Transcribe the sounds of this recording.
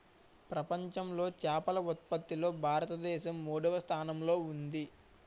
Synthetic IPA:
pɾɐpɐɲt͡ʃɐmlo̞ːt͡ʃaːpɐlɐut̪̚pɐt̪ːilo̞ːbʱaːɾɐt̪ɐd̪ɛːʃɐmːuːɽɐʋɐst̪ʰaːnɐmlo̞ːund̪i

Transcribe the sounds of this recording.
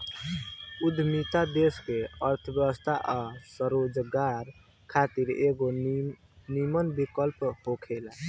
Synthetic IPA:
ud̪ʱmit̪ad̪eskeəɾt̪ʰəbjəbəst̪ʰaʔasəɾod͡ʒɡaɾ | kʰat̪iɾeɡo | nimənbikəlphokʰela

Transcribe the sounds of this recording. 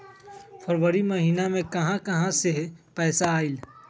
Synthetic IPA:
fʰɐɾʋəɾimɐɦiːnamẽkɐɦãkɐɦãsepɛːsaːɪl

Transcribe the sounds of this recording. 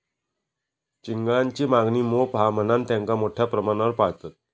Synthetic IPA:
t͡ɕiŋɡɭãɲt͡ɕiːmaɡniːmopɦamənant̪jãŋkamoʈʰjapɾəmanaʋəɾpaɦt̪at̪̚

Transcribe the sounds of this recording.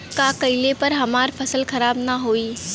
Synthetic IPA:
kakɐɪlepɐɾɦɐmaːɾpʰɐsəlkʰɐɾaːbnaɦoːiː

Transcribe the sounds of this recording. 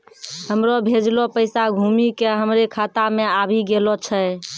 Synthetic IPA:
ɦəmɾɔbʱed͡ʒlɔpəɪsaɡʱumikeɦəmɾekʰat̪ameabʱiɡelɔt͡ʃʰə

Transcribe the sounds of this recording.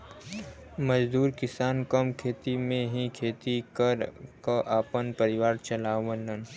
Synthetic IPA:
məd͡ʒd̪uːɾkɪsaːnkəmkʰeːt̪imẽɦĩkʰeːt̪ikəɾkaʔaːpənpəɾɪʋaːɾt͡ʃɐlaːʋənən

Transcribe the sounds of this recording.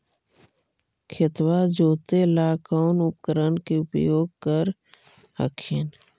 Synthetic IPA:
kʰɪt̪wad͡ʒoːt̪elaːkaːʊnʊpkəɾənkeʊpjoːɡ̚kəɾ | hə̰kʰɪn

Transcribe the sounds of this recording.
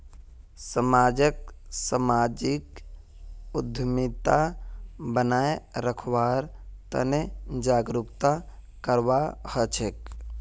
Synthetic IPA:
səmaːd͡ʒəksəmaːd͡ʒɪk | ʊd̪ʱmit̪a | bənaːeɾəkʰwaːɾt̪ə̰ned͡ʒaːɡɾʊkt̪a | kəɾwahət͡ʃʰek

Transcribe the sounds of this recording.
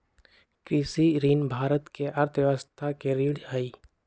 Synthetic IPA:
kɾisiɾiːnbʱaːɾət̪keʔɐɾt̪ʰʋjeʋəst̪ʰakeɾiːɽəiː

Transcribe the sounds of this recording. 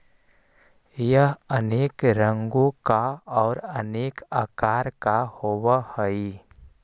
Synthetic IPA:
jəɦəneːkɾə̃ŋɡõkaɔːɾəneːkaːkaːɾkahoːwahəi

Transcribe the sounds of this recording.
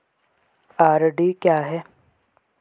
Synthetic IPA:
aːɾɖikjaːɦɛː

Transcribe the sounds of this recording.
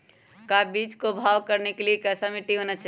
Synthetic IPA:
kabit͡ʃkobʱaːʋkəɾnekeliekɛsamiʈiɦonat͡ʃʰ

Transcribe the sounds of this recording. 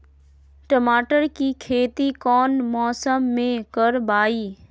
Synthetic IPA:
ʈəmaːʈəɾkikʰeːt̪ikɔːnmɔːsəmːẽkəɾbaːiː

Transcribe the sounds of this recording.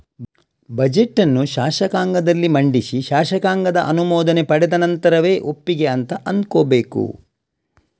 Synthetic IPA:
bɐd͡ʒeʈːɐnːuʃaːʃɐkaːŋɡɐd̪ɐlːimɐɳɖisiʃaːʃɐkaːŋɡɐd̪ɐʔɐnumɔːd̪ɐnepɐɽɛd̪ɐnɐnt̪ɐɾɐʋe̞ːʔo̞pːiɡeɐnt̪ɐʔɐnd̪koːbe̞ːkṵ

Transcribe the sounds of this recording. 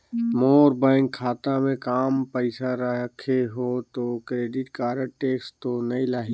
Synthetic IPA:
moːɾbaːɪŋkʰːaːt̪amẽkaːmpəɪsaɾəɦəkʰeɦot̪okɾeːɖɪʈkaːɾəʈeːkst̪onɐĩlaːɦi

